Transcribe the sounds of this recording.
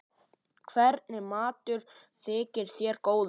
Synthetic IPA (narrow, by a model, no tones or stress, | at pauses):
kʰvɛɾt̪̚nɪmaːt̪ʏɾ̥ | θɪːcɪɾ̥θjɛɾkoːwð